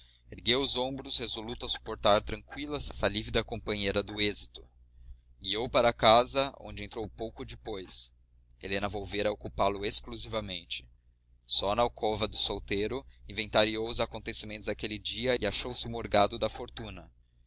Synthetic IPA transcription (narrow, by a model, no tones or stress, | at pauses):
eɾɡewʊzõbɾʊshezolut̪ʊɐsu̥poɾt̪aɾt̪ɾɐ̃ŋkwilɐssɐlivid̪ɐkõpɐ̃ɲeɾɐd̪ʊezit̪ʊ̥ | ɡiowpaɾɐakazɐõ̰d͡ʒɪẽnt̪ɾowpowkʊd͡ʒɪpojs | ḛlenɐvowveɾɐokupalʊeskluzivɐmẽnt͡ʃɪ̥ | sɔnɐawkʰɔvɐd̪ʊsowt̪eɾʊĩvẽnt̪aɾiowʊzakõnt̪esimẽnt̪ʊzd̪akelɪd͡ʒiɐɪaʃowsɪmoɾɡad̪ʊd̪ɐfoɾt̪ũnɐ